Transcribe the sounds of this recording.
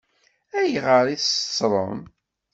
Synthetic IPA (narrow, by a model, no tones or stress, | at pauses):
æjʁəɾˤiθt͡sːɾˤə̰m